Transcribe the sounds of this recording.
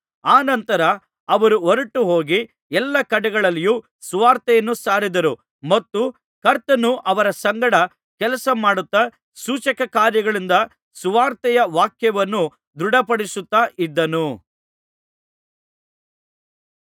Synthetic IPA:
aːnɐnt̪ɐɾɐ | ɐʋɐɾuɔɾɐʈːuɦoːɡi | ɛlːɐkɐɽɛɡɐɭɐlːijuː | suʋaːɾt̪ɛjɐnːusaːɾid̪ɐɾu | mɐt̪ːu | kɐɾt̪ːɐnuʔɐʋɐɾɐsɐŋɡɐɽɐ | kɛlɐsɐmaːɽut̪ːɐ | suːt͡ʃɐkɐkaːɾjɐɡɐɭind̪ɐ | suʋaːɾt̪ɛjɐʋaːkjɐʋɐnːu | d̪ɾuɽɐpɐɽisut̪ːaːʔid̪ːɐnu

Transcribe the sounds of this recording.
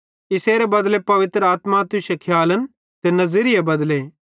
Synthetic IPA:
ɪseːɾebɐd̪lepɐʋɪt̪ɾəaːt̪mat̪ʊʃekʰjaːlən | t̪enɐzɪɾɪjebɐd̪le

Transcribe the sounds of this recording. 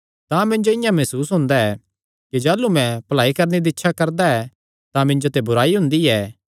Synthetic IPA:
t̪ãmɪ̃nd͡ʒoɪjãmɛsuːsɦʊ̃nd̪aɛ | kid͡ʒaːlumɛ̃pɐlaːikɐɾned̪iɪtːʃʰakɐɾd̪aɛ | t̪ãmɪ̃nd͡ʒot̪ebʊɾaːiɦʊ̃nd̪iɛː

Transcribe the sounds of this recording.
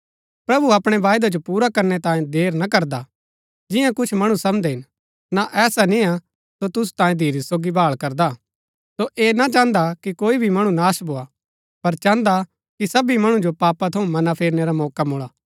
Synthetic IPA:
pɾɐbuɐpɽ̃eʋaːjd̪ad͡ʒopuːɾakɐɾnet̪ãːjẽd̪eːɾnakɐɾd̪a | d͡ʒɪjãkʊt͡ʃʰmɐɽ̃ũsɐmd̪eɦɪn | naʔɛːsanĩa | sot̪ʊs̬u̥t̪ãːjẽd̪ʱiːɾisoːɡibʱaːɭkɐɾd̪a | soʔeːnat͡ʃãːnd̪akikoːibʱimɐɽ̃ũnaːsbʱoːa | pɐɾt͡ʃãːnd̪a | kisɐbimɐɽ̃ũd͡ʒopaːpat̪ʰɐũmɐnapʰeːɾneɾamɔːkamoːɭaː

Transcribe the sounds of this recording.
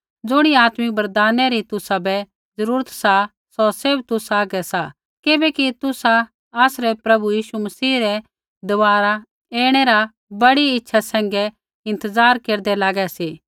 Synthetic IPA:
d͡zʊɽ̃iaːt̪mibɐɾd̪aːnɛɾit̪ʊsabɛ | d͡zɐɾuːɾət̪sa | sɔsebt̪ʊsaːɡɛsa | kɪbɛkit̪ʊsa | asɾɛpɾɐbujiːʃumɐsiːɾɛ | d̪ɔʋaːɾa | eːɽ̃ɛɾa | bɐɽiɪtːʃʰasɛ̃ːŋɡɛ | ɪ̃nt̪əzaːɾkeːɾd̪ɛlaːɡɛseː

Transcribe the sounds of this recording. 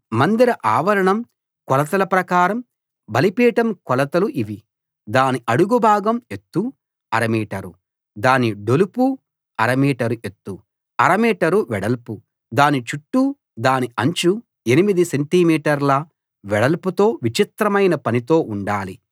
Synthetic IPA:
mɐnd̪iɾɐʔaːʋɐɾɐɳɐm | kɔlɐt̪ɐlɐpɾɐkaːɾɐm | bɐlipiːʈɐmkɔlɐt̪ɐluʔiʋi | d̪aːniʔɐɽuɡubʱaːɡɐme̞t̪ːu | ɐɾɐmiːʈɐɾu | d̪aːniɖolupu | ɐɾɐmiːʈɐɾuʔe̞t̪ːu | ɐɾɐmiːʈɐɾuʋɛɽɐlpu | d̪aːnit͡ʃuʈːu | d̪aːniɐɲt͡ʃu | e̞nimid̪iseɳʈimiːʈɐɾlɐ | ʋɛɽɐlput̪o̞ːʋit͡ʃit̪ɾɐmɐjnɐpɐnit̪o̞ːʔuɳɖaːli

